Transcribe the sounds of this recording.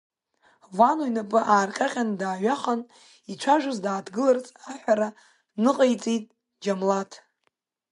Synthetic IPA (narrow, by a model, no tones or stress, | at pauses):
vanujnapʼɨʔaːrqʲʼaqʲʼandaːɥaχan | it͡ʃʷʰaʒʷʊzdaːdɡɨlart͡sʼaħʷᶣaɾa | nɨqʼejt͡sʼitʼ | d͡ʒamlatʰ